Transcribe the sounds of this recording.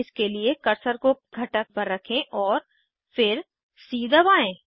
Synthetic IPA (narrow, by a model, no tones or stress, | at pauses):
ɪskeliekɐɾsəɾkoɡʱɐʈək̚pɐɾːɐkʰẽʔɔːɾ | fɪɾ | siːd̪ʱəʋaːẽː